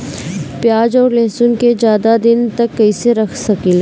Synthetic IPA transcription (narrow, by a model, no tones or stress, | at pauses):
pjaːd͡ʒɔːɾleːsʊnked͡ʒjaːd̪ad̪ɪnt̪ɐkːɐiseɾɐkʰsɐkil